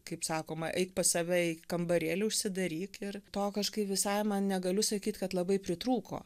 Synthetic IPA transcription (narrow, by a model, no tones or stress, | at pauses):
kɐɪpsɑːkoːmɐʔɛɪkpɐsɑʋʲɛɪkɐmbɐɾʲeːlʲɪʊʃʲsʲɪd̪ɐɾʲiːkɪrt̪oːkɐʃkɐɪpʋʲɪsɐɪmɐnnʲɛɡɐlʲʊsɐkʲiːt̪kɐt̪lˠɐbɐɪpʲɾʲɪt̪ɾuːko̰ː